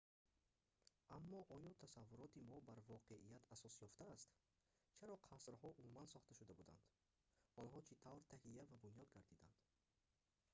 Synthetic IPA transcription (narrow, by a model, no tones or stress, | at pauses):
amːɔʔɔjɔt̪ʰasavːuɾɔt̪imɔbaɾvɔqʰeʔijat̪ʰasɔsjɔft̪aːst̪ | t͡ʃʰaɾɔqʰasɾhɔʔumumansɔχt̪aʃud̪abud̪a̰nd̪̥ | ɔnɦɔt͡ʃʰit̪ʰavɾt̪ʰahijːavabunjɔd̪ɡaɾd̪id̪a̰nd̪̥